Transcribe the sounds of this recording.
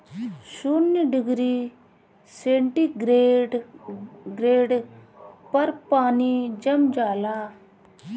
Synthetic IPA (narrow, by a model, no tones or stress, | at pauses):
sunjəɖɪɡɾiː | sẽːɳʈiːɡɾe | ɡɾeːɖ | pɐɾpaːniːd͡ʒɐmd͡ʒaːlaː